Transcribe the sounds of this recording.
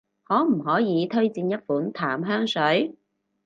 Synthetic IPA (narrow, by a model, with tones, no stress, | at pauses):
hɔː˨˥m̩˨˩hɔː˨˥jiː˨˧t̪ʰɵ˥ɥt͡siː˧njɐ˥t̚fuː˨˥nt̪ʰaː˨˥mɦœː˥ŋsɵ˨˥ɥ